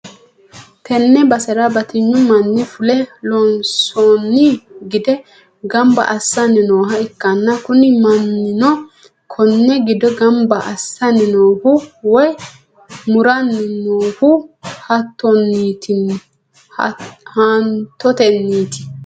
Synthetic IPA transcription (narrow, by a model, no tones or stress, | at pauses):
t̪ɛnːɛbɐsɛɾabɐt̪ɪɲːʊmɐnːɪfʊlɛlɔnsoːnːiɡɪd̪ɛ | ɡɐmbɐ̰ʔɐsːɐnːɪnoːɦɐɛkːɐnːɐkʊnɪmɐnːɪnɔ | kʰɔnːɛɡɪd̪ɔɡɐmbɐʔɐsːɐnɪnoːhʊwɔj | mʊɾɐnːɪnoːhʊhɐt̪ːɔnːiːt̪ʰɪn | hant̪ːɔt̪ɛnːiːt̪ɪ̥